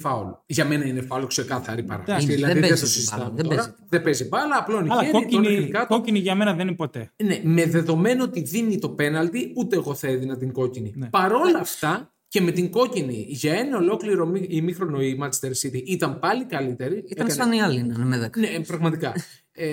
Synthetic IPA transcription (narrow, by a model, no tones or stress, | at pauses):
fɐoloʝɐme̞nɐinefɐolokse̞kɐθɐ̰ɾipɐ̰ɾɐ̰siðilɐððiðest̪osizit̪ɐmoɾɐðebezibɐlɐːplo̞inleooikɐt̪oiniʝɐmenɐðenipot̪eneme̞ðe̞ðo̞me̞noot̪iðinit̪o̞pe̞nɐlt̪iut̪e̞ːɣo̞θeðinɐt̪iŋɡo̞cinipɐɾo̞lɐft̪ɐ | ce̞me̞t̪iŋɡo̞ciniʝɐe̞nɐo̞lo̞kliɾo̞miimixɾo̞no̞imɐt͡ʃi̥st̪eɾsit̪iʔit̪ɐmpɐlikɐlit̪e̞ɾiiteɐɐsɐniɐlinɐmeðnepɾɐɣmɐt̪ikɐ | e